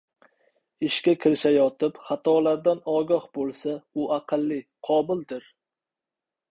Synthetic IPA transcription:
ɪʃkʲakʲʰɪɾɪʃajɒt̪ʰɪpχɑt̪ʰɒlaɾd̪anɒɡʲɒhbolˠsaʊʔaqʰɨlˠːɪqʰɒbɪld̪ɪɾ

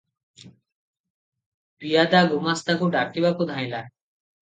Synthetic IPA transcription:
pijad̪aɡumast̪akuɖaʈibakud̪ʱaj̃la

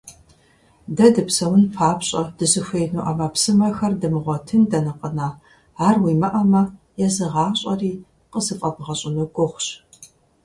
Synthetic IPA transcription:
dɐdɨpsɐwʊnpʰaːpɕʼɐd̥ɨzɨxʷeːjnuːʔɐmapsɨmɐxɐrdɨmɨʁʷɔtʰɨndɐnɨqʼənaː | aːrwiːmɐʔɐmɐ | jɛzɨʁɑːɕʼɐriː | qəzɨfʼɐbʁɐɕʼɪnɨɡʷʼʊχʷɕ

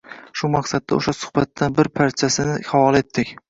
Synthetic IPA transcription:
ʃʊmaqsad̪ːaoʃasʊ̥hbat̪ːanbɪɾpʰaɾt͡ʃʰasɪnɪχawɒlˠe̞t̪ʰːɪkʲ

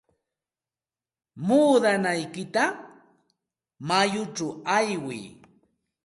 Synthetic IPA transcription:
muːd̪anajkɪt̪a | majʊʈ͡ʂawajwɪ̰j

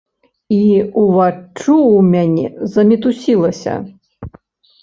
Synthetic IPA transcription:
iuvat͡ʂuwmʲanʲɛ̰zɐmʲit̪usʲilˠɐsʲɐ̰

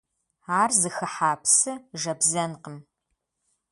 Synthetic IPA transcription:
aːrzɨxɐħaːpsɨʒɐbzɐnqəm

